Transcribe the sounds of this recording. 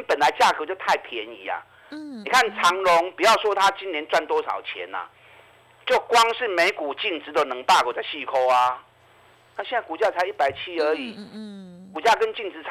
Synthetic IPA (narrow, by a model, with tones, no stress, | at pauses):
npə˨˩nla˧˦ɪt͡ɕja˥˧˩kɤ˧˦t͡ɕjo˥˧ʊt̪ʰa˥˩ɪpʰjɛ˨˦nḭ˨˦a̰˨ | ni˨˩kʰa˥˨nt͡sʰɑ˧˦ŋlʊ˨˦ŋpu˨˩jɑ˥˩ʊswɔ˦˥t̪ʰa˦t͡ɕi˦˥njɛ˧˦nt͡swa˥˩nt̪wɔ˥sɑ̰˨˩ʊt͡ɕʰjɛ̰˨˦na̰˨ | t͡ɕjo˥˩ʊkwɑ˦ŋʂɻ̩˥˩me˧˥ɪku˨˩t͡ɕi˥˩ŋt͡sɻ̩˧˥d̪ə˨nɤ˧˦ŋpa˥˧ko˨˩t͡sa˥˧ɪɕi˥˩kʰo˧˦ʊa˨ | na˥˩ɕjɛ˥˧na˥˩ku˨˩t͡ɕja˥˧˩t͡sʰa˧˥ɪi˥˩pa˨˩ɪt͡ɕʰi˦˥ə˨˧˥i˨˩˦ | ku˨˩t͡ɕja˥˧kə˦nt͡ɕi˥˩ŋt͡s̩˧˦t͡sʰ